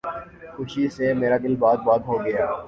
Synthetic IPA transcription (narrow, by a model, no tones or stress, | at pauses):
xʊʃisemeːɾaːd̪ɪlbaːd̪̚baːd̪ɦoɡɐjaː